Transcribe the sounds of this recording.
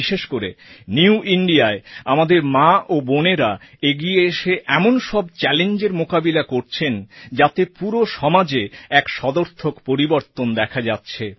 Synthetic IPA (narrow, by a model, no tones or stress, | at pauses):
iʃeʃkoɾḛniuiɳɖiaeamad̪eɾmaʔoboneɾa | eɡieeʃeʔɛmonʃɔb̚t͡ɕɛlend͡ʑeɾmokabilakoɾt͡ɕʰend͡ʑat̪epuɾoʃɔmad͡ʑeɛkʃɔd̪oɾt̪ʰokpoɾiboɾt̪ond̪ɛkʰad͡ʑatːɕʰe